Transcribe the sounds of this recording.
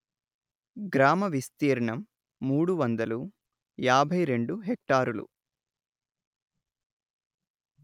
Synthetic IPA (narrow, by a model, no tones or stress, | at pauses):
ɡɾaːmɐʋist̪iːɾɐɳɐmː | uːɽuʋɐnd̪ɐlu | jaːbʱɐjɾe̞ɳɖuɦek̚ʈaːɾulṵ